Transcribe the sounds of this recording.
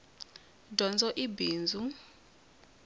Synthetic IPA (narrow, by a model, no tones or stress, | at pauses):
dʱɔnd͡zɔʔibiːnd͡zʱu